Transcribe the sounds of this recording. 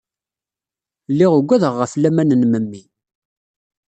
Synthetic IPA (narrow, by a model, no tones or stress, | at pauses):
lːiʁəɡʷːæðəʁːəflæmænənməmːi